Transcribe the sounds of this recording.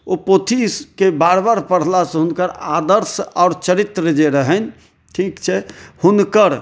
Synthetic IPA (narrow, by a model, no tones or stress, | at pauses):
opot̪ʰiskebaɾbaɾpəɽ̤lasɦunkəɾad̪əɾsaːɾt͡ʃəɾit̪ɾəd͡ʒeɾəɦən̆ | ʈʰikt͡ʃʰɛhunkəɾ